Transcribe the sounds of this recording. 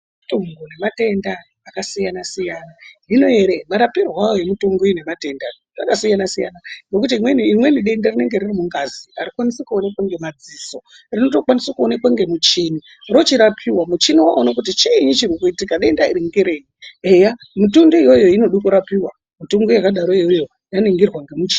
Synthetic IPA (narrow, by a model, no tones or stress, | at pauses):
tuŋɡone̞mate̞ndaː | kasijanasijaːnaino̞eɾemaɾapirwawojemitoŋɡoine̞mate̞nda | ʐakasijanasija̰nano̞k̬ut̬imweniimwe̞niɗe̞ndarine̞ŋɡe̞ririmuŋɡaziaɾikwanisekuonekwaŋɡe̞mad͡ziso̞ | rino̞to̞kwanisakuonekwaŋɡe̞mut͡ʃini | ro̞t͡ʃiɾapʰiwamut͡ʃiniwaonakut̬it͡ʃeiɲit͡ʃirikuitikaɗe̞ndaḭɾiŋɡeɾeːjieja | mutundoijo̞jo̞ino̞ɗokuɾapiwa | mitoŋɡojakaɗaɾo̞ijo̞jo̞ | janiŋɡirwaŋɡemut͡ʃi̥ːn